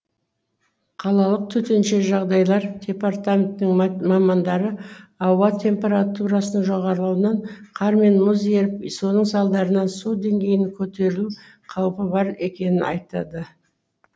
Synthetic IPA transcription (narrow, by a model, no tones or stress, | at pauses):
qʰɑlˠɑlˠəq̚t̪ʰɵt̪e̞nʃe̞ʒɑʁd̪ɑjlˠɑɾd̪ʲe̞part̪amʲent̪ːɪŋmɑmɑnd̪ɑɾəɑwɑt̪ʲʰe̞mpʲe̞ɾat̪uɾɑsənəɴʒo̞ʁɑɾəlˠɑwənɑɴqʰɑɾme̞nməzje̞ɾɪpso̞nəɴsɑlˠd̪ɑɾənɑnsud̪e̞ŋɡʲe̞jɪnkʲʰɵt̪e̞ɾɪlu | qʰɑwpəbɑɾe̞kʲe̞nɪnʔɑ̰jt̪ɑ̰d̪ə